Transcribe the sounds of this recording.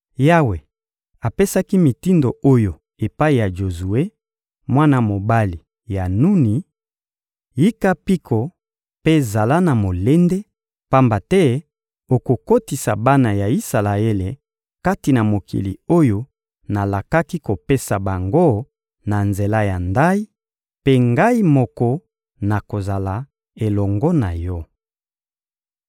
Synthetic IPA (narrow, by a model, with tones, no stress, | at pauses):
ja˦we˨ | a˨pe˦sa˦ki˦mi˨ti˦ndo˨o˦jo˨ | e˨pa˦i˨ja˨ʒo˨zu˨e˦ | mwa˦na˦mo˨ba˦li˨ | ja˨nu˦ni˨ | ji˦ka˦pi˦kʰo˨ | pe˦za˨la˦na˨mo˨le˦nde˦ | pa˦mba˨tɛ˦ | o˨ko˨ko˦ti˨sa̰˨ba˦na˨ja˨i˦sa˨la˨e˦le˨ | ka˦ti˨na˨mo˨kḭ˨lḭ˨o˦jo˦ | na˨la˨ka˦ki˦ko˨pe˦sa˨ba˨ŋɡo˦ | na˨nze˨la˦ja˨nda˦i˦ | pe˦ŋɡa˦i˦mɔ˨kɔ˦ | na˨ko˨za˨la˨ | e˨lɔ˨ŋɡɔ˦na˨jɔ˦